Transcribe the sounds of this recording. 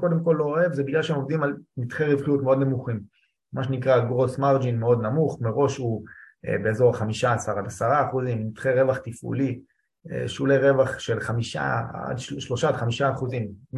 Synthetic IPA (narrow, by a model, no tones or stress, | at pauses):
ko̞d̪emko̞lːooevzebiɡlaʃeemovd̪imalmit̪χeʁivχijutme̞o̞d̪namuχim | maʃ̬enikʁaɡʁosmaʁd͡ʒinmeo̞d̪namuχmeʁo̞ʃhu | ḛbeezo̞ʁχamiʃaːsaʁadasaʁaːχuzimːit̪χeʁe̞vaχt̪ifṵli | ḛʃuleʁe̞vaχʃe̞lχamiʃa̰a̰dʃʃlo̞ʃadχamiʃaːχuzim